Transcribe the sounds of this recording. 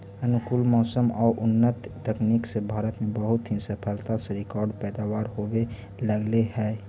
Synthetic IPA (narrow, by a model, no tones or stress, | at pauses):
ənʊkulmɔːsəmɔːɾʔʊnːət̪ːəkniksebʱaːɾət̪mẽbəɦʊt̪ɦisəpʰəlt̪aseɾɪkɔːɾɖpɛːd̪aːwaːɾɦowe | ləɡlehɛː